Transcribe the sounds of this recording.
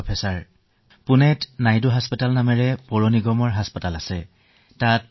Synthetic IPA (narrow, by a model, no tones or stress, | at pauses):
ɔpʰɛsaɹ | pʊnɛtnajduɦaspatalnamɛɹɛpɔɹoniɡɔmɔɹɦaspatalasɛ | tat̚